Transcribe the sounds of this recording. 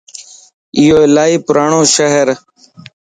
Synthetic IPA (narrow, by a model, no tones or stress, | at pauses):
ɪjoːɪlaːiːpʊɾaːɳõːʃəɦəɾ